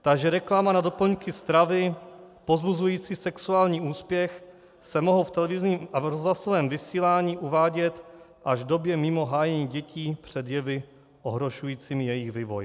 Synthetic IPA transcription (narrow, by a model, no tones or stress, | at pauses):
t̪aɡʒɛɾɛklamanadopl̩ɲkɪst̪ɾavɪ | po̞zbuzujiːt͡siːsɛksuaːlɲiːuːspjɛx | sɛmoɦowft̪ɛlɛvɪzɲiːmʔavɾozɦlasovɛːmvɪsiːlaːɲiːʔuvaːɟɛt̪ʔaʒdo̞bjɛmɪmo̞ɦaːjɛɲiːɟɛciːpr̝̥ɛd̪jɛvɪ | ʔoɦɾo̞ʃujiːt͡siːmjɛjɪɣviːvo̰j